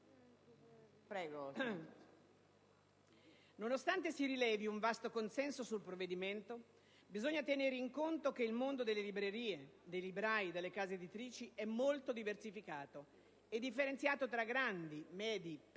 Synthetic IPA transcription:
pɾɛːɡo | nonost̪ant̪esiɾilɛːviuɱvast̪okonsɛnsosulpɾovːed̪iment̪o | bizoɲːat̪eneɾeiŋkont̪ok̟eilmond̪od̪elːelibɾeɾiːed̪ejlibɾajd̪elːekaːzeːd̪it̪ɾiːt͡ʃiɛmːolt̪od̪iversifikaːt̪o | ed̪ːifːeɾent̪sjaːt̪ot̪ɾaɡɾand̪imɛːd̪i

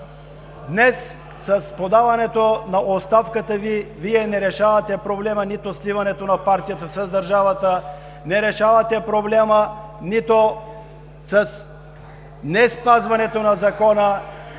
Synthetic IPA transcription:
d̪nɛsː | ɐspod̪avɐnɛt̪onɐʔot̪st̪afkət̪əviviɛnɛɾɛʃavɐt̪ɛpɾoblɛmənit̪oslivɐnɛt̪onɐpaɾt̪ijɐt̪əsɐzd̪ɐɾʒavət̪ə | nɛɾɛʃavɐt̪ɛpɾoblɛmənit̪o | sɐs | nɛspazvɐnɛt̪onɐzɐkɔnə

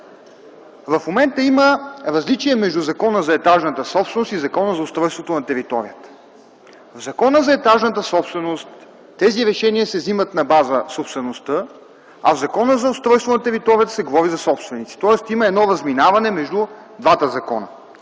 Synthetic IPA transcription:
vɐfmomɛnt̪əiməɾɐzlit͡ʃiɛmɛʒd̪uzɐkɔnəzɐɛt̪aʒnət̪əsɔpsvɛnost̪izɐkɔnəzɐʊst̪ɾɔjst̪vot̪onɐt̪ɛɾit̪ɔɾḭjət̪ə̥ | vzɐkɔnəzɐɛt̪aʒnət̪əsɔpst̪vɛnost̪ː | ɛziɾɛʃɛniəsɛvzimət̪nɐbazəsopst̪vɛnost̪ɤ | ɐvzɐkɔnəzɐʊst̪ɾɔjst̪vonɐt̪ɛɾit̪ɔɾijət̪sɛɡovɔɾizɐsɔpst̪vɛnit̪si̥t̪ɔɛst̪iməɛd̪nɔɾɐzminavɐnɛmɛʒd̪u | d̪vat̪əzɐkɔ̰nə̰

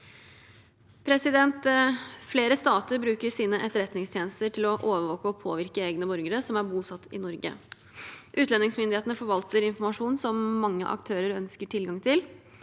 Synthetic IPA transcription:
pʰɾɛsɪd̪ɛnt̪fleːɾəst̪ɑːt̪əɾbɾʉːkəsiːnəʔɛt̪əɾɛt̪nɪŋst̪ʰjeːnəst̪əʈɪlɔʔoːʋəɾʋoːkəɔpʰo̰ːʋɪɾkəeːɡnəbɔɾɡəɾəsɔmæɾbuːsɑt̪ʰːɪnɔɾɡə̰ | ʔʉːt̪lɛnɪŋsmʏnd̪ɪheːt̪nəfɔɾʋɑlt̪əɾɪnfɔɾmɑʂuːnsɔmːɑŋːə̰ʔɑ̰k̚t̪ʰøːɾəɾœnskəʈʰɪlɡɑŋt̪ʰɪl

